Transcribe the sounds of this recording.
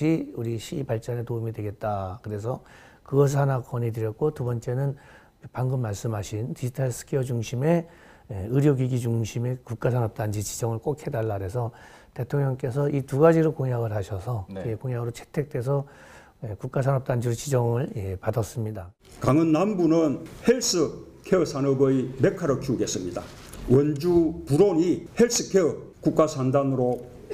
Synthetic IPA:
iuɾiɕʰibaɭt͡ɕ͈ʌne̞toumidwe̞ɡe̞t̚t͈akɯɾe̞sʰʌ | kɯɡʌs̬ʰɯɭhanakʌɲidɯɾjʌt̚k͈otubʌnt͡ɕ͈e̞nɯn | paŋɡɯmːaɭs͈ɯmɦaɕʰintid͡ʑitʰas͈ʰɯ̥kʰiʌd͡ʑuŋɕʰime̞ | eɯɾjoɡiɡid͡ʑuŋɕʰime̞kuk̚k͈asʰanʌp̚t͈and͡ʑit͡ɕid͡ʑʌŋɯɭk͈okʰe̞daɭːaɾe̞sʰʌ | te̞tʰoŋɲʌŋk͈e̞s̬ʰʌituɡad͡ʑiɾokoŋjaɡɯɭɦaɕʰʌsʰʌekoŋjaɡɯɾot͡ɕʰe̥tʰe̞k̚t͈e̞s̬ʰʌ | ekuk̚k͈as̬ʰanʌp̚t͈and͡ʑiɾot͡ɕid͡ʑʌŋɯɭepadʌs͈ɯmɲida | kaŋɯnːambunɯnheɭs͈ɯ | kʰeɯsʰanɯbɯjmekʰaɾɯkʰiuɡe̞s͈ɯmɲida̰ | wʌnd͡ʑupuɾoɲiheɭs͈ʰɯkʰeɯkuk̚k͈asʰandanɯɾo

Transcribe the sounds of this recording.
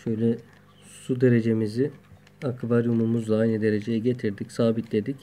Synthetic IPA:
ʃø̞jlʲɛ | sud̪e̞ɾe̞d͡ʒe̞mizɪ | akvaɾjumumuzlˠaajnɯd̪e̞ɾe̞d͡ʒe̞jɛɟe̞t̪ʰiɾd̪icsaːbit̪d̪e̞d̪ic

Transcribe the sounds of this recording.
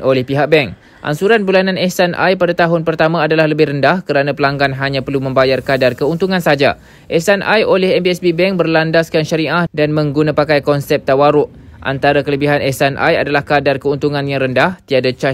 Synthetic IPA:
olɛhpiɦak̚bɛŋ | ʔa̰nsuɾanbulanãnɛsanʔa̰jpadat̪aɦʊnpərt̪amãːdalahləbɪhrəndahkəɾanãpəlaŋɡanɦaɲãpərlumə̃mbajarkadarkəunt̪uŋãnsad͡ʒa̰ | ʔɛsanʔa̰jolɛɦɛmbiɛsbibɛŋbərlandaskanʃəɾiʔahdanmə̃ŋɡunãpakajkɔnsɛp̚t̪awaɾʊʔʔa̰nt̪aɾakələbiɦanʔɛsanʔa̰jadalahkadarkəunt̪uŋãnjaŋɾəndaht̪iadat͡ʃa

